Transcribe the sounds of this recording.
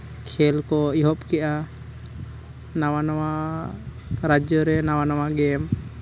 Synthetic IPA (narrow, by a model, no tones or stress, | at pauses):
kʰɛlkɔiɦɔpkɛʔa | nawanawa | ɾad͡ʒɔɾɛnawanawaɡɛm